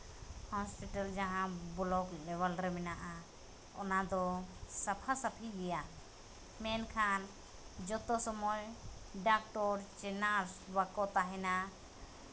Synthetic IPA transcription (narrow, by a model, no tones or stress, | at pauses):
hɔspiʈald͡ʒaɦãbɔlɔklɛβalɾɛmɛnaʔa | ɔ̰nad̪ɔsapʰasapʰiɡɛja | mɛnkʰan | d͡ʒɔt̪ɔsɔmɔjɖak̚ʈɔɾt͡ʃɛnaɾsbakɔt̪aɦɛna